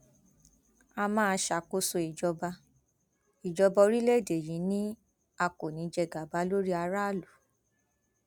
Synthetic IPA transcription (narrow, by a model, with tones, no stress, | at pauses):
a˧mãː˦˧ʃa˨ko˧so˧i˨d͡ʒɔ˧ba˧ | i˨d͡ʒɔ˧bɔ˧ɾi˦le˦˨de˨jĩ˨˦nĩ˦ | a˧ko˨nĩ˨˧˦d͡ʒɛ˧˨ɡa˨ba˨˦lo˦ɾi˦a˧ɾa˦˨lu˨